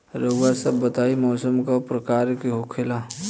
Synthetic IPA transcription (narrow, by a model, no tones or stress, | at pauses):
ɾɐwasɐbːɐt̪aːimɔːsəmkapɾɐkaːɾkeɦokʰela